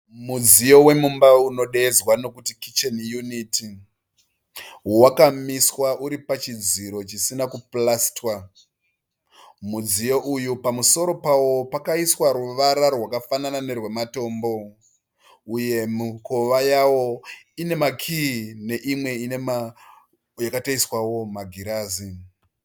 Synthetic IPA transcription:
mud͡zijo̞we̞mumbauno̞ɗeːzwano̞kutikit͡ʃenjuniti | wakamiswaʔuɾipat͡ʃid͡ziɾo̞t͡ʃisinakuplastwa | mud͡zijo̞ʔujupamuso̞ɾo̞pawo̞pakaiswaɾuʋaɾarwakafananane̞rwe̞mato̞ːmbo̞ | uje̞muko̞ʋajawo̞ | ine̞makʰine̞ʔimwe̞inema | jakataiswawo̞maɡʱiɾaːzi

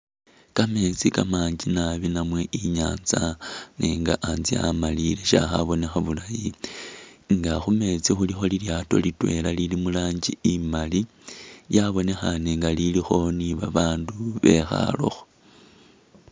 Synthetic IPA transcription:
kame̞ːt͡sikamaːɲd͡ʒinaβinamwe̞ʔiɲaːnt͡saneːŋɡaʔanzia̰malile̞ʃa̰xaβo̞ne̞xaβulaji | ŋɡaxume̞t͡sixulixo̞liljaːto̞̰litwe̞̰lalilimulaːɲd͡ʒiimali | jaβo̞ne̞xaneŋɡalilixo̞niβaβaːnduβe̞xa̰lo̞̰xo̥

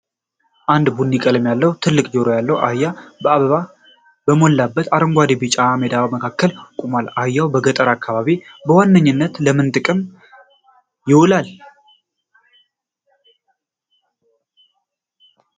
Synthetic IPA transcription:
ʔand̪bunːikʼələmjalːəwut̪ʰɨlːɨkʼd͡ʒoɾojalːəwʔa̰jːabəaβəβa | bəmo̞lːabːət̪ʰaɾəŋɡʷad̪ibɨt͡ʃʼamed̪aβməkʰakːəlkʼumalajːawbəɡət̪ʼəɾakʰːaβaβibəwanːəɲːɨnːət̪ləmɨnt̪ʼɨkʼɨm | jɪwulal

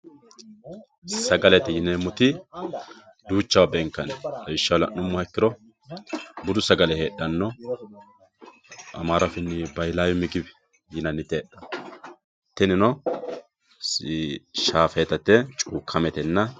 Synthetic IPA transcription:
sɐɡɐlɛt̪ɛjɪneːmːʊt̪ɪ | d̪uːt͡ʃːɐwɐbɛŋkːɐnɐjɪʃːɐwlɐ̰ʔʊmːɐɛkːɪɾɔ | bʊd̪ʊsɐɡɐlɛheːɗːɐnːɔ | ɐ̰maːɾɐfɪnːɪbɐjlaːjɔmɪɡɪbɛ | jɪnɐnːɪt̪eːɗɐ | t̪ːɛnɪnɔ | ʃaːfɛt̪ɐt̪ːɛt͡ʃʼuːkʰːɐmɛt̪ɛnːɐ

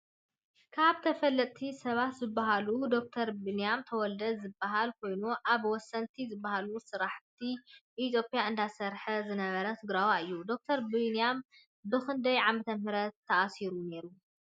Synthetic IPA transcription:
kʰaβt̪ʰɐfɐlːɐt̪ʼt̪ʰisɐβat̪zɨbːaɦalud̪o̞k̚t̪ʰɐɾbɨnijamt̪ʰɐwɔld̪ɐd̪zɨbːaɦalkʰo̞jnuʔaβwɔsːɐnt̪ʰizɨbːahalusɨɾaħt̪ʰiʔit̪ʰjo̞pʼijaɨnd̪asɐɾħɐzɨnɐβɐɾɐt̪ʰɨɡɾawaɨjːud̪o̞k̚t̪ʰɐɾbɨnijam | bɨxɨnd̪ɐjʕamɐt̪ʰɐnhɨɾɐt̪ʰːɐʔasiɾune̞ɾu

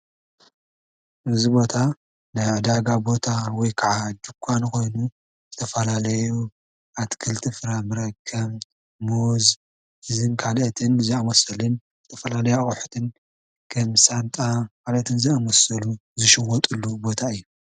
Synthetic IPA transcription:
ʔɨzibo̞t̪ʰa | nɨʕɨd̪aɡabo̞t̪ʰawɔjkʰaʕad̪ukʰʷːanko̞jnu | zɨt̪ʰɐfɐlalɐju | ʔat̪kʰɨlt̪ʰifɨɾamɨɾɐkʰːɐβ | moz | hɨzɨnkʰalʔɐt̪ʰɨnzɨamɐsɐlɨn | zɨt̪ʰɐfɐlalɐjawħu̥t̪ʰɨn | kʰɐmsant̪ʼakʰalɐt̪ʰɨnzɨamɐsɐluzɨʃɨwɔt̪ʼulːubo̞t̪ʰaɨjːu

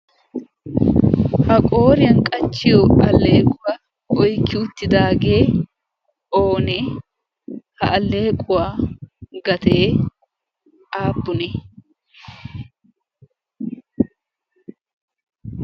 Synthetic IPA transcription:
hɐkʼo̞ːɾɪjɐnkʼɐt͡ʃːɪjɔʔɐlːe̞ːkʼʊwa | ʔɔjkːɪʊt̪ːɪd̪aːɡeː | oːnɛ | hɐɐlːe̞ːkʼʊwa | ɡɐt̪eː | aːpːʊnɛ

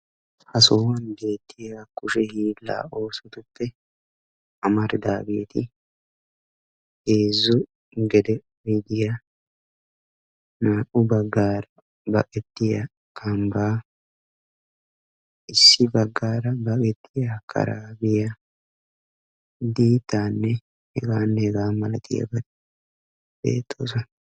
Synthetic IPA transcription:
hɐsoːwɐnbe̞ːt̪ʰːɪjakːʊʃɛhiːlːa̰ːo̞ːsɔt̪ʊpːɛ | ɐmɐɾd̪aːbeːt̪ɪ | eːzːʊ | ɡɛd̪ɛ | jd̪ɪja | naːʔʊbɐɡːaːɾɐ | bɐkʼɛt̪ːɪjɐ | kʰɐmbaː | ɪsːɪbɐɡːaːɾɐbɐkʼɛt̪ːɪjɐkʰɐ̰ɾaːbɪja | d̪iːt̪ːaːnːɛ | hɛɡaːnːɛɛɡaːmɐlɐt̪ɪ̰jɐ̰bɐd̪ | b̥ḛːt̪ʰːo̰ːsɐ

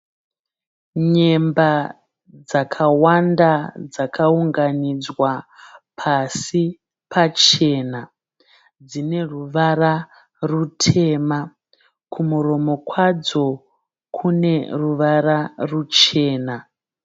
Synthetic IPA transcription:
ɲe̞mba | d͡zakʰawandad͡zakauŋɡanid͡zwapʰasi | pʰat͡ʃe̞na | d͡zine̞ruʋara | rutʰe̞ːma | kʰumuɾo̞mo̞kwad͡zo̞ | kʰune̞ruʋararut͡ʃe̞ːna

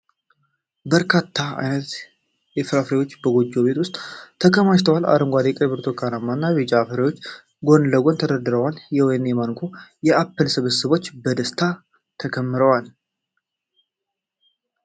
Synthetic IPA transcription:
bəɾkʰat̪ʰːaa̰jnət̪ | jɛfɨɾafɾewo̞t͡ʃːbəɡod͡ʒːo̞be̞t̪wʊst̪ʼt̪ʰːəkʰəmaʃt̪ʰəwala̰ɾɨŋɡʷad̪jkʼəbɨɾt̪ʰokʰanamːanːaβid͡ʒafɨɾewot͡ʃː | ɡo̞nləɡo̞nt̪ʰəd̪əd̪ɨɾəwaljɛoenemankʰojɛapːəlsɨβəsɨβo̞t͡ʃːbəd̪əst̪ʰa | t̪ʰəkʰəmːɨɾəwal

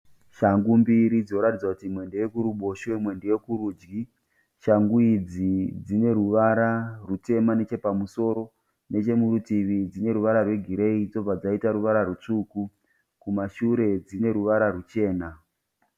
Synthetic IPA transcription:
ʃaŋɡumbiɾid͡zinoɾatid͡zwakutimwe̞ndeje̞kuɾuɓo̞ʃemwe̞ndejekuɾud͡ʒɡi | ʃaŋɡuid͡zid͡zine̞ɾuʋaɾarute̞mane̞t͡ʃe̞pamuso̞ɾo̞ | ne̞t͡ʃe̞muɾutiʋid͡zine̞ɾuʋaɾarwe̞ɡʱiɾe̞id͡zo̞b͡vad͡zaitaɾuʋaɾarut͡ʂuku | kumaʃuɾe̞d͡zine̞ɾuʋaɾarut͡ʃe̞ːna

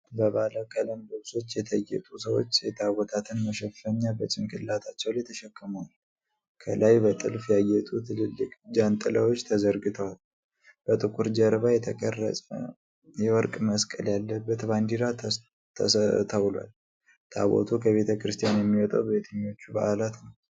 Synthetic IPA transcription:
bəβaləkʼələmbɨβso̞t͡ʃːjɛt̪ʰəjːɛ̰t̪ʼusəwo̞̰t͡ʃːet̪ʰawɔt̪ʰat̪ʰɨnməʃɛffəɲːabət͡ʃʼɪŋkʰʼɨllat̪ʰat͡ʃːɛwljɛt̪ʰəʃɛkːɨməwal | kʰəlajbət̪ʼɨlfjajːɛt̪ʼut̪ʰɨlɨlːɨkʼd͡ʒant̪ʼələwo̞t͡ʃːt̪ʰəzəɾɡɨt̪ʰəwal | b̥ət̪ʼɨkʼuɾd͡ʒəɾβajɛt̪ʰəkʼərːə̰sʼə̰ | jɛwɔɾkʼməskʼəljalːəbːət̪band̪iɾa | t̪ʰəwla̰l | t̪ʰa̰βo̞̰t̪ʰukʰəβe̞t̪ʰəkɾɨst̪ʰijanjɛmːiwɔt̪ʼəwbβet̪ʰəɲːo̞t͡ʃːuba̰ʔalat̪nəw

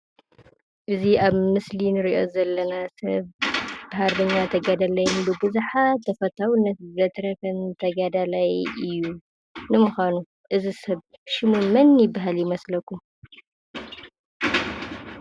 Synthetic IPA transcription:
ʔɨziaβmɨslinɨɾiʔo̞zɐlːɐnasɐ̰βbɨɦaɾbɐɲːat̪ʰɐɡad̪alajnbɨbɨzuħat̪ʰːɐfɐt̪ʰawnɐt̪zɐt̪ɾɐfɐnt̪ʰɐɡad̪alajʔɨjːu | nɨmɨxʷanu | ʔɨzisɐβʃɪmumɐnjɪbːaɦaljɪmɐslɐkːum

